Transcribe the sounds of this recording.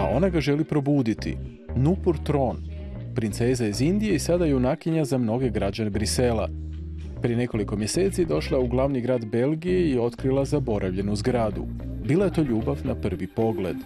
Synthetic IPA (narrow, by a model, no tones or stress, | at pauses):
aʔo̞̰naɡaʒe̞lipɾo̞buːd̪it̪ḭ | nupuɾt̪ɾo̞n | pɾint̪se̞ːzaizind̪ije̞isad̪ajeunakiɲazamno̞ɡe̞ɡɾad͡ʑane̞bɾise̞la | pɾije̞ne̞ko̞liko̞mjese̞ːt̪sid̪o̞ʃlˠauɡlˠaʋniɡɾaːd̪be̞lˠɡije̞io̞t̪kɾilˠazabo̞ɾʔaʋʎe̞nuzɡɾaːd̪ṵ | biːlaje̞t̪o̞ːʎuːbaʋnapr̩ʋipo̞ɡle̞̰d̪̥